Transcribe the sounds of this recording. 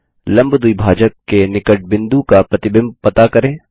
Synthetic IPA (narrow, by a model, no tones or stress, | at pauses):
lɐ̃mbd̪uibʱaːd͡ʒəkːenɪkəʈ̚bɪ̃nd̪ukapɾɐt̪ɪbɪ̃mb̚pɐt̪akɐɾẽː